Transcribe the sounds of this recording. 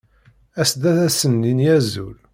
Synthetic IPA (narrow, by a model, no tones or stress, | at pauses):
æsd̪æθæsənːinjæzṵl